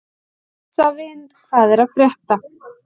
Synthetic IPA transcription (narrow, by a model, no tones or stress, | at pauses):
savɪn | kaːðɛɾaðfɾjɛht̪a